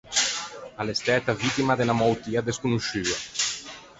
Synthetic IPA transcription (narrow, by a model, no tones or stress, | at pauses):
alest̪ɛt̪avit̪imad̪enamɔwt̪iad̪eskunuʃyɐ